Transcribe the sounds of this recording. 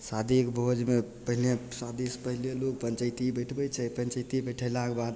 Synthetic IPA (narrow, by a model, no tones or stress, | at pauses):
sad̪ikbʱod͡ʒmepəɦilesad̪ispəɦiljelok̚pənt͡ʃəjt̪ibəjʈʰbəjt͡ʃʰəpənt͡ʃəjt̪ibəʈʰəlakebad̪